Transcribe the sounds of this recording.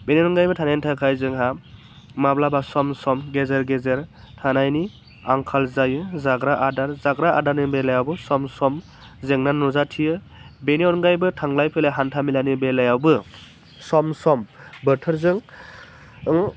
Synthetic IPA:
beneɔnɡajbɯtʰanajnitʰakʰajzɯŋɦa | mablabasɔmsɔmɡezeɾɡezeɾ | tʰanajni | aŋkʰalzajɯzaɡɾaʔadaɾzaɡɾaʔa̰daɾnibelajawbɯsɔmsɔm | zeŋnanːɔzatʰijɯ | beneɔnɡajbɯtʰaŋlajpʰeleɦantʰamilanibelajawbɯ | sɔmsɔmbɯtʰɯɾzɯŋ | ŋ

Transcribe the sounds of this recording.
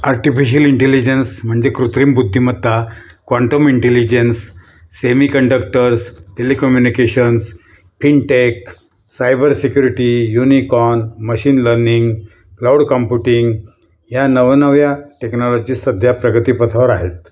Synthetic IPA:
aɾʈifiɕ̬əliɳʈelid͡ʑensm̤əɳd͡ʑekɾut̪ɾiːmbud̪ʱːimət̪ːakʋaɳʈəmiɳʈelid͡ʑensː | emikəɳɖək̚ʈəɾsʈelekɔmjunikeɕəns | fiɳʈek | sajbəɾsikjuɾiʈijunikɔnməɕiːnləɾniŋɡ | klauɽkɔmpjuʈiŋɡ | janəʋnəʋjaʈeknɔlɔd͡ʑiːsəd̪ʱjapɾəɡət̪iːpət̪ʰaʋəɾaɦet̪

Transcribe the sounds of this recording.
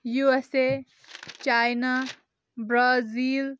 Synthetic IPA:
juese | t͡ʃajna | bɾaziːl

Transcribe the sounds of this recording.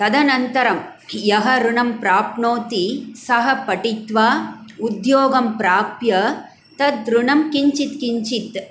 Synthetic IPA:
t̪ɐd̪ɐnɐnt̪ɐɾɐm | jɐɦɐɾuɳɐmpɾaːpɳoːt̪isɐɦɐpɐʈit̪ʋaːud̪joːɡɐmpɾaːpjɐ | t̪ɐd̪ɾuɳɐmkiɲt͡ʃit̪kiɲt͡ʃit̪

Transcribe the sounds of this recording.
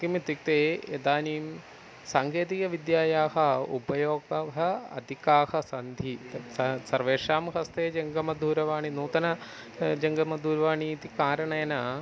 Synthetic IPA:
kimit̪ik̚t̪eːed̪aːniːm | saːŋɡeːt̪̬ikɐʋid̪jaːjaːɦɐṵpɐjoːɡɐɦɐɐ̰d̪ʱikaːhɐsɐnd̪ʱi | sɐɾʋeːʂaːmɦɐst̪eːd͡ʒɐŋɡɐmɐd̪ʱuːɾɐʋaːɳinuːt̪ɐnɐ | d͡ʒɐŋɡɐmɐd̪ʱuːɾɐʋaːɳiːt̪ikaːɾɐɳɐjɐna

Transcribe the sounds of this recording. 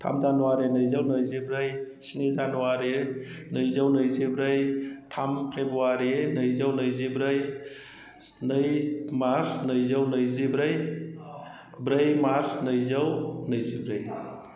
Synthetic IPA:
tʰa̰mzanuwaɾenɯjzawnɯjzibɾɯj | snizanuwaɾe | nɯjzawnɯjzibɾɯjtʰamkʰejbɔwaɾenɯjzawnɯjzibɾɯj | nɯjmaɾsnɯjzawnɯjzibɾɯj | bɾɯjmaɾsnɯjzawnɯjzibɾɯj

